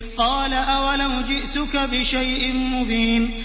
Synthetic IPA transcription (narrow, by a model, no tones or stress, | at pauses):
qɑːlaʔawalawd͡ʒɪʔt̪ʊkabɪʃajʔɪmʊbiːn